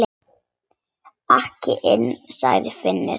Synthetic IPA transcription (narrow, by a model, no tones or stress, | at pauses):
ahcɪʔɪnːsa̰ɣðɪfɪnːɪ